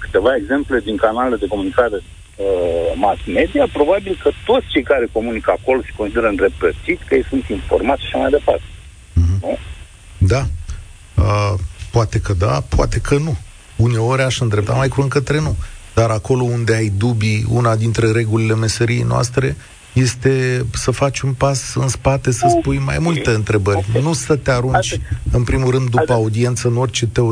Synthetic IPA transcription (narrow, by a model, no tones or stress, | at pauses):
kɨ̥t̪e̞vae̞ɡze̞mple̞d̪iŋkanaleled̪e̞ko̞munikaɾe̞ | əmasme̞d̪ijapɾo̞babilkət̪o̞t̪st͡ʃe̞jkaɾe̞ko̞munikəako̞lose̥konsid̪eɾəɨnd̪ɾe̞p̚t̪ət̪sit̪sʲkəjejsunt̪iɱfo̞̰rmat̪sʃḁʃamajd̪e̞part̪ẽ | ɦ̩nue | d̪a | əpoat̪e̞kəd̪a̰pʊa̰t̪e̞kʰənu | une̞o̞ɾʲaʃɨnd̪ɾe̞p̚t̪a̰majkuɾɨŋkət̪ɾe̞nud̪̥aɾako̞lo̞und̪e̞ajd̪ubiṵnad̪int̪ɾe̞ɾe̞ɡulile̞me̞səɾijejnoa̰st̪ɾe̞ | je̞st̪e̞səfat͡ʃʲunpasɨnspat̪e̞səspujma̰jmult̪e̞ɨnt̪ɾe̞bərʲnusət̪eaɾunt͡ʃʲɨnpɾimulɾɨnd̪ːupəaud̪ie̞nt̪səɨno̞rʲt͡ʃe̞t̪e̞o